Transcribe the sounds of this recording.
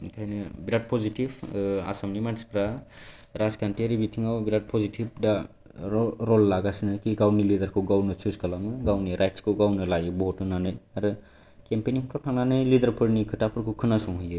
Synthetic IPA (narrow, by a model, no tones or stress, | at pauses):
tʰajnɯbiɾat̚pʰɔzitiba̰samnimatʰispɾaɾaskantiɾibitʰiŋawbiɾat̚pʰɔzitʰib̚da | ɾɔlːaɡasinɯkiɡawnilidaɾkʰɯwɡawnɯsʰuskalamɯɡawniɾajtskʰɯwɡawnɯlajɯbɔɦutɯnanɯjaɾɯ | kempeniŋtʰɔtʰaŋnanɯjlidaɾpʰɯɾnikʰɯtapʰɯɾkʰukʰɯnasɔŋɦujɯ